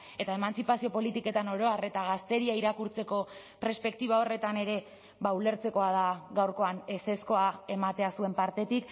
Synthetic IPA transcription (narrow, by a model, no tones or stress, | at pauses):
e̞t̪ae̞mant͡sipasio̞po̞lit̪ike̞t̪ano̞ɾo̞are̞t̪aɣast̪e̞ɾiaiɾakuɾt͡se̞ko̞ | peɾspe̞k̚t̪iβ̞ao̞re̞t̪ane̞ɾe̞ | βaule̞ɾt͡se̞ko̞að̞aɣawɾko̞ane̞se̞sko̞ae̞mat̪e̞asue̞mpaɾt̪e̞t̪ik